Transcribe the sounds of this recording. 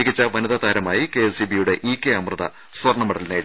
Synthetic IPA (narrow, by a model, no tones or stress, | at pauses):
ɣit͡ɕːɐʋɐnɐðɐt̪aːɾɐmaːjike̞esibijuɽe̞ʔiːkːeɐmrɐðɐ̰ | swɐrɳɐmɐɽɐlineː